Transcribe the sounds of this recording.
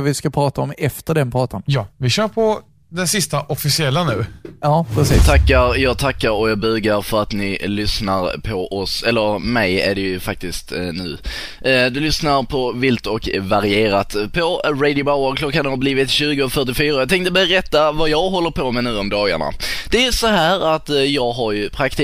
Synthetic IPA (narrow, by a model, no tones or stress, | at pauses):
vɪskapʰɾɑːt̪aɔmɛft̪əɖɛnpʰɾɑːt̪anjɑːvɪɕœːɾpʰɔ | d̪ɛnsɪst̪aʔɔfɪsɪɛlːanʉ̟ːɑːpʰɾɛsiːt̪ʰakːaɾjɑːɡt̪ʰakːaɾɔjɑːɡbʉːɡaɾfœɾat̪nɪlʏsnaɾpʰɔʔɔsɛlːəɾmɛjæ̰ɖɛjɵfak̚t̪ɪst̪nʉ̟ː | d̪ɵlʏsnaɾpʰɔvɪlt̪ɔkvaɾɪeːɾat̪pʰɔɾɛɪd̪ɪʊbaʊəɾkʰlɔkːanhaɾbliːvɪt̪ɕʉ̟ːɡʊɔfœʈ̬ɪfyːɾajɑt̪ɛŋt̪əbɛɾɛt̪ːavajɑːɡɦɔlːəɾpʰɔmɛnʉ̟ːɔmd̪ɑːɡa̰ɳa̰d̪̥ɛæjɵsɔɦæːɾat̪jɑːɡɦaɾjɵpʰɾakt̪